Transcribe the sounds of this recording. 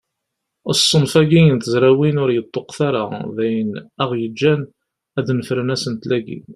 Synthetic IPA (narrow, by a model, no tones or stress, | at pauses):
ə̰sˤːənfæɡijənt̪əzɾæwinʊɾjət̪ˤːoqθaɾa̰ðæjənæʁjəd͡ʒːæn | æd̪nəfɾənæsənt̪læɡḭn